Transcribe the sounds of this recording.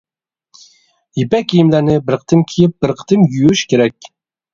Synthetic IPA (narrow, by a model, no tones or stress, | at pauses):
jipɛkʲʰːijimlænɪbɪɾqʰə̥t̪ʰɨmkʲʰijɪp̚b̥ɪɾqʰə̥t̪ʰɨmjyjyʃkʲʰeɾɛk̚ʲ